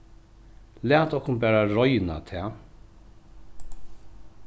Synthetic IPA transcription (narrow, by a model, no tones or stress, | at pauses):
læːt̪ɔhkʊnbæːɾaɹɔjna̰t̪ʰɛː